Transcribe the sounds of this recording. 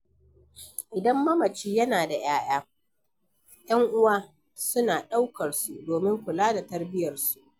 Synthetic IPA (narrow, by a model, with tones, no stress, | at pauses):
ʔɪ˨dɐ˦mːɐ˦mɐ˨t͡ʃiː˦jɐ˦naː˨da˨j̰aː˦j̰aː˦ | j̰ɐ˦ŋʔʊ˦waː˦ | sʊ˦naː˨ɗa˦wkɐ˨rsu˦˨doː˨mɪ˦ŋkʷʊ˨laː˦da˨tɐ˦rbɪ˦jɐ˨rsu̥˦ʔʔ